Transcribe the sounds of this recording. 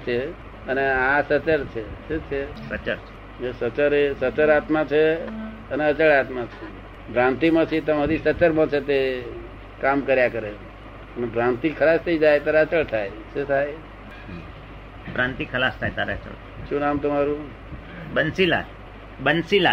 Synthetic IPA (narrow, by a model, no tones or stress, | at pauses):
t͡ʃʰe | əneasət͡ʃəɾt͡ʃʰeʃet͡ʃʰesət͡ʃəɾt͡ʃʰe | esət͡ʃəɾesət͡ʃəɾat̪mat͡ʃʰe | əneət͡ʃəɭat̪mat͡ʃʰe | bɾãnt̪imãt͡ʃʰit̪əmaɾisət͡ʃəɾmãt͡ʃʰet̪e | kamkəɾjakəɾe | ənebɾãnt̪ikʰəlast̪ʰəid͡ʒajt̪aɾeət͡ʃəɭt̪ʰaj | ʃet̪ʰaj | bɾãnt̪ikʰəlast̪ʰajt̪aɾeət͡ʃə̰ɭ | ʃũnamt̪əmaɾũ | bənsila̰ | bənsila